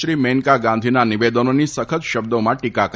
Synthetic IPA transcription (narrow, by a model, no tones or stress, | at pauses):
ɾimeŋkaɡãnd̪ʱinaniʋed̪ənonisəkʰət̪ʃəbd̪omãʈikak